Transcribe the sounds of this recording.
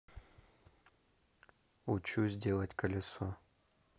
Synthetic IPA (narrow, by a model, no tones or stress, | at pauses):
ut͡ɕuzʲdʲe̞lˠətʲkəlʲɪso